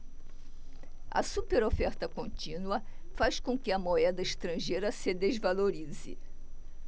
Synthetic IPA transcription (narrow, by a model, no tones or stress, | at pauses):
ɐ̰supeɾofɛɾt̪ɐkõnt͡ʃĩnuɐfaskõkɪɐmoɛd̪ɐɪʃt̪ɾɐ̃ʒejɾɐsɪd̪ezvaloɾizɪ̰